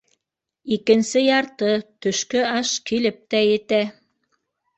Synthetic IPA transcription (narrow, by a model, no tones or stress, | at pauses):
ikɘ̆nsɘjɑɾt̪ɤt̪ɵ̆ʃkɵɑʃkilɘp̚t̪æjɘ̆t̪æ